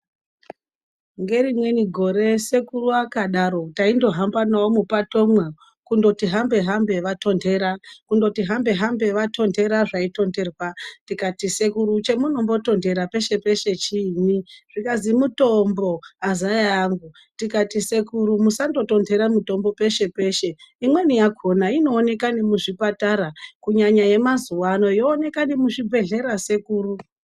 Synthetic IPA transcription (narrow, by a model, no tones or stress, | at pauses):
ŋɡe̞rimwe̞niɡʱo̞ɾe̞se̞kuruakaɗaɾo̞taindo̞ɦambanaomupato̞mwa | kundo̞tiɦambe̞ɦambe̞ʋato̞ndʱe̞ɾakundo̞tiɦambe̞ɦambe̞ʋato̞nde̞ɾaʐaito̞nde̞rwatikatise̞kuɾut͡ʃe̞muno̞mbo̞to̞nde̞ɾape̞ʃe̞pe̞ʃe̞t͡ʃiniʐ̥ikazimuto̞mbo̞azajajaŋɡu | tikatise̞kuɾumusando̞to̞nde̞ɾamuto̞mbo̞pe̞ʃe̞pe̞ʃe̞imwe̞nijakʰo̞naino̞ːne̞kanimuʐipataɾakuɲaɲaje̞mazuwano̞ijoːne̞kanimuʐibʱe̞ɮe̞ɾase̞kuːru